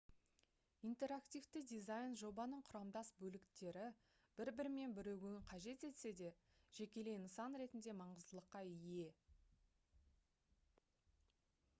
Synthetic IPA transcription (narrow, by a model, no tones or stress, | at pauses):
ijnt̪e̞ɾakt̪ʲijvt̪ɪd̪ijzajnʒo̞bɑnəɴqʰʊɾɑmd̪ɑsbɵlɪkt̪e̞ɾɪ | b̥ɪɾbɪɾɪme̞nbɪɾewɡʲɵɪɴqʰɑʒe̞t̪e̞t̪se̞d̪e̞ | ʒ̥e̞kʲe̞le̞jnəsɑnɾe̞t̪ɪnd̪e̞mɑɴəzd̪əlˠəqːɑɪje̞